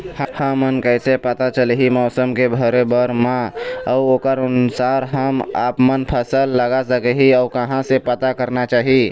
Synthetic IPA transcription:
hhãmənkəɪsepət̪at͡ʃəlɦimɔːsəmkebʱəɾebəɾmãɔʊokəɾʊnsaɾɦəma̰ːpmənpʰəsəlːəɡasəkɛɦiɔʊɾkəɦãsepət̪akəɾnat͡ʃaːɦi

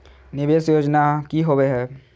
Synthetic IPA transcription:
nɪbeːsjoːd͡ʒnakiɦoweɦɛː

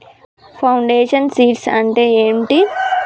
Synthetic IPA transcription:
pʰɐwɳɖeːʂɐnsiːʈsɐɳʈeːeːɳʈi

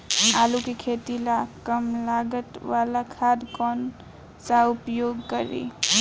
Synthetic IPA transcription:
alukekʰet̪ilakəmlaɡət̪walakʰad̪kɔn | saupjoɡkəɾḭ

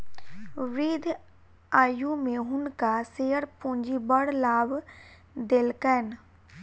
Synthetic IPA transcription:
ɾiːd̪ʱ | aːjumẽɦʊnkaseːəɾpũːɲd͡ʒibəɽlaːb | d̪eːlkɛːn

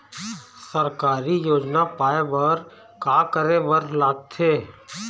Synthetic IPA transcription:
səɾkaːɾijoːd͡ʒnapaːebɐɾ | kaːkəɾebəɾlaːɡ̚t̪ʰeː

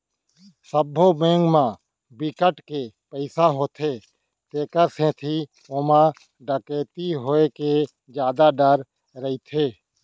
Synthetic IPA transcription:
səbʱːomẽːŋɡmã | bɪkəʈkepəɪsaɦot̪ʰeː | t̪eːkəɾsẽt̪ʰi | oːmã | ɖəkeːt̪iɦoːeke | d͡ʒjaːd̪aɖəɾ | ɾəit̪ʰeː

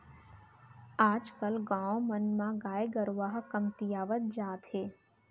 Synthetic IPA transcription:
aːd͡ʒkəlɡãːõmənmãɡaːjeɡəɾʋaːɦkəmt̪ijaːʋət̪̚d͡ʒaːt̪ɦeː

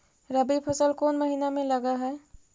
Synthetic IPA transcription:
ɾəbipʰəsəlkoːnməɦinamẽləɡaɦɛ

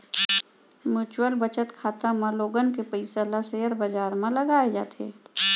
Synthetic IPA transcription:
muːt͡ʃwəlbət͡ʃət̪kʰaːt̪amãloːɡənkepəɪsəlaseːəɾbəd͡ʒaːɾmẽlɐɡaːed͡ʒa̰ːt̪ḛː

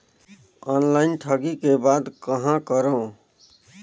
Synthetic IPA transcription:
ɔnlaɪnʈʰəɡikebad̪kəɦãkəɾə

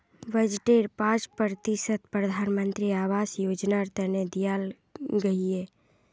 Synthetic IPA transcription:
ʋəd͡ʒʈeɾpãt͡ʃpɾɾət̪isət̪̚pɾəd̪ʱaːnmə̃nt̪ɾiaːʋasjod͡ʒnaɾt̪əned̪ijal | ɡəie

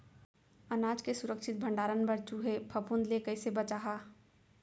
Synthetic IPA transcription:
ənaːd͡ʒkesʊɾəkʃʰɪt̪̚bʱə̃ɳɖaːɾənbəɾt͡ʃuɦepʰəpʰũnd̪lekəɪsebət͡ʃaːɦaː

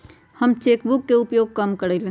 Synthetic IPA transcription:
hɐmt͡ʃeːkbʊkːeʊpjoːɡ̚kɐmkɐɽelẽ

